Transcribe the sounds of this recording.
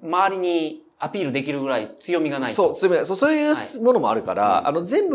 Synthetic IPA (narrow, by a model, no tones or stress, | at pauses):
maβaɾʲiɲ̟i | apʲiːɾɯ̟d̪e̞k̬ʲiɾɯ̟ɡɯ̟ɾait͡sɨjo̞mʲiɡanaisoːt͡sɨjo̞miɡasoːsoːjɯːmo̞no̞mo̞aɾɯ̟ka̰ɾa̰a̰no̞zẽ̞mbɯ̟